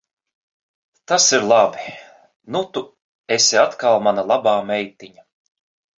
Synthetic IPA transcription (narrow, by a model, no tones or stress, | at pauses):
t̪asiɾlˠabi | nut̪u | esʲiat̪kalˠmanalˠabaːmɛjt̪iɲa